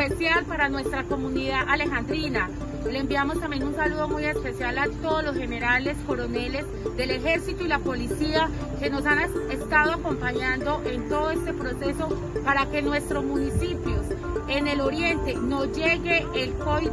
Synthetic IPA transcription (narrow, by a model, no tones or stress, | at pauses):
esjalpaɾanwe̞st̪ɾako̞muniðaʔale̞xand̪ɾina | le̞eːmbiamo̞st̪ambje̞nunsaluðo̞muje̞spe̞sjalat̪oðozlo̞sxe̞ne̞ɾale̞sko̞ɾo̞ne̞le̞z | d̪e̞le̞xe̞ɾsit̪oilapo̞lisia | ke̞no̞sanest̪aðoako̞mpaɲand̪o̞ʔe̞nt̪o̞ðoest̪e̞pɾo̞se̞so̞ | paɾake̞nwe̞st̪ɾo̞zmunisipjo̞sene̞lo̞ɾje̞nt̪e̞no̞d͡ʒe̞ɣe̞ːlko